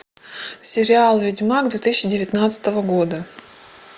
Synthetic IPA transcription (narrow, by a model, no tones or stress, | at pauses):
sʲɪɾʲɪalˠvʲɪdʲmaɡd̪vʲet̪ɨsʲɪɕɪdʲɪvʲɪt̪nat̪sɨ̥t̪əvəɡod̪ə